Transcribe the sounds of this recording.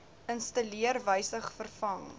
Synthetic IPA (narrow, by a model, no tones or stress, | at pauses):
ənstɐliərvəjsəχfərfɐŋ